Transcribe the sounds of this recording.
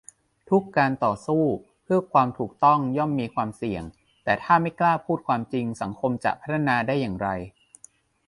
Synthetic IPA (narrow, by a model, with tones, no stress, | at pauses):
t̪ʰu˦˥kːaː˧nt̪ɔː˨˩suː˥˩ | pʰɯ˥˩ɐkʰwaː˧mt̪ʰuː˨˩k̚t̪ɔ˥˩ŋjɔ˥˩mːiː˧kʰwaː˧msi˨˩əŋ | t̪ɛː˨˩t̪ʰaː˥˩ma˥˩jklaː˥˩pʰuː˥˩t̪̚kʰwaː˧mt͡ɕi˧ŋsa˩˦ŋkʰo˧mt͡ɕa̰˨˩pʰa˦˥t̪ʰːa˧naː˧daː˥˩jːaː˨˩ŋɾa˧j